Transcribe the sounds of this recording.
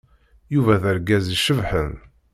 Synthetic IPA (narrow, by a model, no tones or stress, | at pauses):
juvæðəɾɡæziʃəvħən